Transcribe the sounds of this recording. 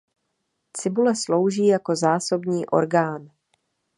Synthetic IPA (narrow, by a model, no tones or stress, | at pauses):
t͡sɪbulɛslo̞wʒiːjako̞zaːso̞bɲiːʔo̞̰ɾɡaːn